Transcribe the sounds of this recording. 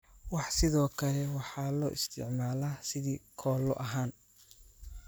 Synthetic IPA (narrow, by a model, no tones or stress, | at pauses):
wɑħsɪðɔːkʰɐlɛwɑħɑːlɔ̰ːʔɪst̪ʰɪ̰ʕmaːlaːsɪðiːkʰɔːlːɔ̰ʔɐɦaːn